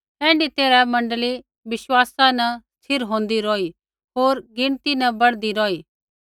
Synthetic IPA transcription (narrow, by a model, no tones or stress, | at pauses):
ɛ̃ːɳɖit̪eːɾɛmɐ̃ɳɖəli | ʋɪʃwaːsanɐst̪ʰɪɾɦõːnd̪iɾɔːi | ɦoːɾɡɪɳt̪inɐbɐɽd̪iɾɔːiː